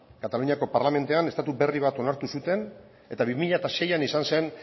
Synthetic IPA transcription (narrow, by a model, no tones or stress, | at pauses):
kat̪aluɲiako̞paɾlame̞nt̪eane̞st̪at̪ube̞riβ̞at̪o̞naɾt̪usut̪e̞n | e̞t̪aβimiʎat̪aʃe̞janisanse̞n